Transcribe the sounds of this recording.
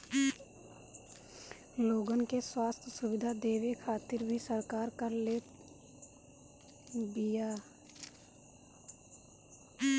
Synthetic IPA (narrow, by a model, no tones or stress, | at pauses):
loːɡənkeswaːst̪ʰsʊʋɪd̪ʱad̪eːʋikʰaːt̪ɪɾbʱisəɾkaːɾkəɾleː | bɪjaː